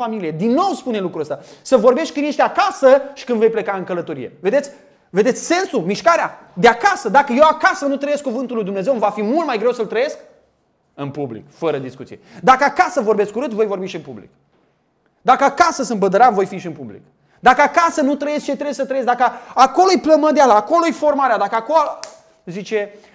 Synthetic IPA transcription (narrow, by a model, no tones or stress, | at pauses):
familije̞d̪inːo̞wspune̞lukɾuəst̪jasəvo̞rbe̞ʃt̚ʲkɨnje̞ʃt̪eakasəʃi̥kɨnve̞jple̞kaɨŋkələt̪o̞ɾḭje̞̰ve̞d̪esʲ | ve̞d̪et̪sʲse̞nsumiʃkaɾea | d̪eakasəd̪akəje̞wakasənut̪ɾəje̞skuvɨnt̪ulːujd̪umne̞zewɨmvafimult̪majɡɾe̞wsəlt̪ɾəje̞sk̚ | ɨnpublḭkfəɾəd̪iskut̪sijed̪akəakasəvo̞rbeskuɾɨt̪vo̞jvo̞rbiʃiɨnpublḭk | d̪akəakasəsɨmbəd̪əɾamvo̞jfiʃiɨnpublḭk | d̪akəakasənut̪ɾəje̞st͡ʃet̪ɾewjes̬ət̪ɾəjed̪akəako̞lojpləməd̪ealaːko̞lojfo̞rmaɾead̪akəakolo | zit͡ʃe̞